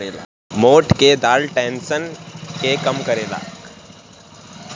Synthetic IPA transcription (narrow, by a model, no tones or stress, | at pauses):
el | moːʈked̪aːlʈɛ̃ːnsənkekɐmkəɾeːla̰ːk